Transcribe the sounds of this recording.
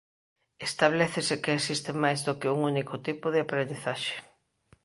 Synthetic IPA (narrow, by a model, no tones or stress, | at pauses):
est̪aβ̞lɛθɪsɪkeesist̪ɪmajzðʊkɪuŋunikʊt̪ipʊðɪapɾend̪iθaʃe̥